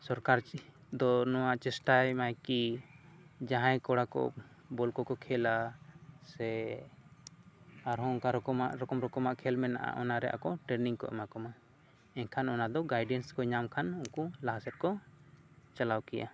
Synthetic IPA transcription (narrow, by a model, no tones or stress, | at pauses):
sɔɾkaɾ | d̪ɔnɔwaʔt͡ʃɛsʈajmajki | d͡ʒãɦãjkɔɽakɔ̰ | bɔlkɔkɔkʰɛlasɛ | aɾɦɔ̃ɔŋkaɾɔkɔmaʔɾɔkɔmɾɔkɔmaʔkʰɛlmɛna̰ʔa̰ʔɔnaɾɛʔa̰kɔʈɛɾniŋkɔ̰ʔɛ̰makɔma | ɛnkʰanɔnad̪ɔɡajɖɛnskɔɲamkʰanuŋkulaɦasɛt̪̚kɔ | t͡ʃalawkɛja̰